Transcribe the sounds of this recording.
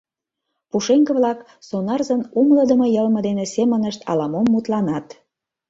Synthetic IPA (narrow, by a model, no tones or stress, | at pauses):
puʃeŋkəβlɑk | sonɑrzənumləd̪əmojəlməd̪enesemənəʃt̪ɑ̰lɑmomːut̪lɑnɑt̪